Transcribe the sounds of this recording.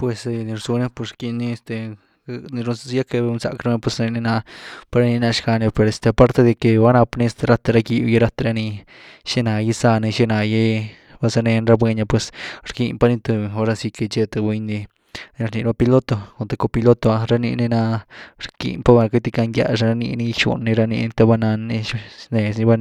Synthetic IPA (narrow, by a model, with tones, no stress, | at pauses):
pwe˨sni˧ɾsu˧ne˦pu˧sɾki˧ni˧e˧st̪e˧ | ni˧ɾu˧ja˦ke˧nsa̰˧kɾa˦me˧pwe˧si˧ni˧na˧pa˧ɾa˦ni˧na˧ʂka˧ne˧pe˨ɾe˧˨st̪e˧pa˦ɾt̪e˧d̪e˧ke˧wa˦na˧pni˦st̪e˧ɾa˦˧t̪a˧ɾa˧ki˧je˧ɾa˦˧t̪a˧ɾa˧ni˧ | ʃe˦na˨ji˧sa˧ne˧ʃe˦˧na˨je˦ | ba˦sa˧ne˧nɾa˧bwe˧ɲa˧pwe˧sɾkḭ˧npa˧ni˧t̪u˧o˦ɾa˧si˧ke˧t͡ʃe˦˧t̪o˨˧bwe˧ɲnːi˧ | n˧ɾni˧ɾa˦˧pi˧lo˦t̪o˧ko˨nt̪e˧ko˧pi˧lo˦t̪o˧a˧ɾa˧˦nḭ˧ni˧na˧ɾkḭ˨npa˦ba˧ka˧t̪i˧ka˧ŋɡja̰˧ʂa˧ɾa˧nḭ˧ni˦˧ʃṵ˨nːi˧ɾa˧nḭ˧n˧t̪a˧ba˧na˧ni˧ne˨sni˧ba˦n